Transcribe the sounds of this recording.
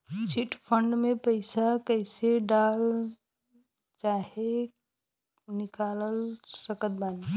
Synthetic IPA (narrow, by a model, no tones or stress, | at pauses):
siʈpʰəɳɖmẽpəɪsakəɪseɖaːl | t͡ʃaːɦe | nɪkaːləlsəkət̪̚baːn